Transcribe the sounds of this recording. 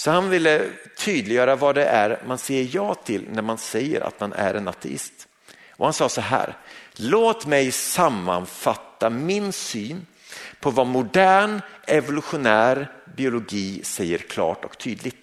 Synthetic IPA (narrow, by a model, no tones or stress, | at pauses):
sɔhanvɪlːət̪ʰyːd̪lɪjœːɾavɑd̪ɛʔæɾmanseːəɾjɑːt̪ʰɪlnæɾmansɛjːə̰ɾʔa̰t̪manʔæ̰ɾɛnat̪ʰɛ̰ɪ̰st̪ | ʔɔhansɑːsɔɦæ̰ːɾloːt̪mɛjsamːa̰nfat̪ːamɪnsyːn | pʰɔvamʊd̪æːɳɛvʊlɵɧʊnæːɾbɪʊlʊɡiːsɛjːəɾkʰlɑ̰ːʈɔkt̪ʰyːd̪lɪɡt̪